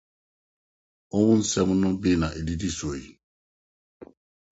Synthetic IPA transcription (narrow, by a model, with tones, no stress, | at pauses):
o˦wũ˦n̩˦sɛ˦mu˦nũ˦bi˦na˨ʔe˨di˦di˦so˨i˨